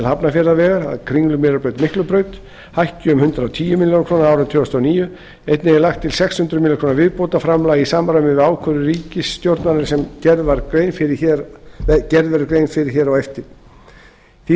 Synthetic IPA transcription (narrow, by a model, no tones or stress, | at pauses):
lhapnafjɛɾðavɛːɣaɾa̰ðkʰɾiŋlʏmɪɾalpœɥt̪mɪhklʏpɾœːɥt̪ | hajhcʏʏmhʏnt̪ɾawt̪ʰiːjʏmɪljownakʰɾoːnaɾaːwɾʏnt̪ʰʏːast̪ʰɔːniːjʏ | ejt̪nɪɛlaxt̪ʰːɪlsɛkshʏnt̪ɾʏmilɪkʰɾoːnavɪðpowt̪afɾamlaːjisaːmɾamɪɪaːwkʰœɾʏɾiːcɪsːt̪jowɾt̪naɾɪɾ̥sɛmɛɾaɾjnfɪɾɪçɛ | cɛɾðɛɾʏkɾeːjnfɪɾɪɾ̥çɛːɾawɛft̪ɪɾ̥ | θi